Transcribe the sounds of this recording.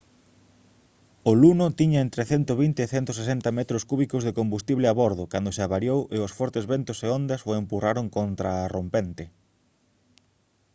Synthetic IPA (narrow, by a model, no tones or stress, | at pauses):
ʊlunʊt̪iɲɐent̪ɾeθɛnt̪oβint̪eːθɛnt̪ʊsesɛnt̪ɐmɛt̪ɾoskuβikʊzðekombust̪iβlɪaβoɾð̞okand̪oseaβaɾjowʔeʊsfɔɾt̪ezβent̪ʊseond̪ɐsoempuraɾoŋkont̪ɾaːrompent̪ɪ